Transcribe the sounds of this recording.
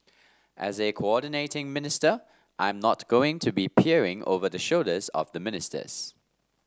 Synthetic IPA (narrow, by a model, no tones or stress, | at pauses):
ʔɛ̰zekʰoɔdɪneɪtɪ̃ŋmɪnɪstə | ʔãɪ̃mnɔtɡ̥oɪ̃ŋtʰubipʰiəɹɪ̃ŋo̰vəðəʃoldəzɔ̰vðəmɪnɪstə̰z̥